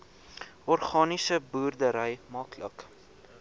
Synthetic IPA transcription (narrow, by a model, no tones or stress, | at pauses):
ɔrχɑːnisəbuːrdəɾəjmɑːklə̰k